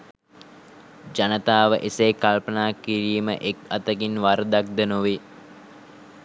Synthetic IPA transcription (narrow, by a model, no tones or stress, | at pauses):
d͡ʒanət̪aːʋəʔeseːkalpənaːkːiɾiːmə̰ʔekat̪əɡinʋaɾd̪ak̚d̪ənuʋi